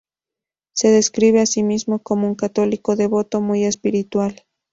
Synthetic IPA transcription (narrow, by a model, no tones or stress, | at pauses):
se̞ðe̞skɾiβe̞asimizmo̞ko̞mouŋkat̪o̞liko̞ðe̞βot̪o̞muje̞spiɾit̪wal